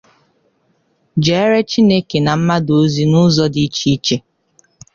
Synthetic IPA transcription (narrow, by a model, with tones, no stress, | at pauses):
d͡ʒe˨e˦ɾe˦t͡ʃi˦ne˦ke˨na˨m̩˦ma˦do˨˦zi˦nʊ˦zɔ˦di˦t͡ʃi˦t͡ʃe˦